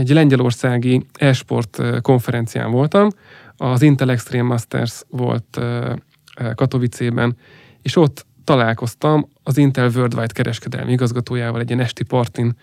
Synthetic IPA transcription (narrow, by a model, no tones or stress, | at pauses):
ɛɟlɛɲɟɛlo̞rsaːɡiɛlʃpo̞̰rt̪ko̞ɱfɛɾɛnt̪sija̰ːɱvo̞lt̪ɒm | ɒzint̪ɛlɛkst̪ɾeːmːɒst̪ɛ̰rsvo̞̰lt̪ː | kɒt̪o̞vit̪seːbɛ̰n | eːʃo̞t̪ːɒlaːlko̞st̪ɒm | ɒzint̪ɛlvørd̪vajt̪kɛɾʔɛʃkɛd̪ɛ̰lmiiɡɒzɡɒt̪oːjaːvɒ̰lɛɟiɛnɛʃt̪ipɒrt̪in